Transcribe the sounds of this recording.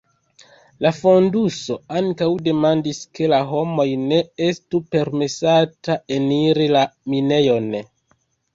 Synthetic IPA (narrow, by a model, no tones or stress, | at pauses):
lafo̞nduso̞aŋkawde̞mandiske̞laɦo̞mo̞jne̞e̞stupe̞ɾme̞satae̞niɾilamine̞jo̞n